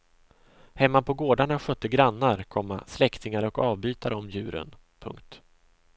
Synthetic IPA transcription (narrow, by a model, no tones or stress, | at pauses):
hɛmːapʰɔɡoːɖaɳaɧœt̪ːəɡɾanːaɾkʰɔmːa̰slɛkt̪ɪŋaɾɔkɑːvbyːt̪aɾəɔmjʉ̟ːɾə̰n | pʰɵ̰ŋkt̪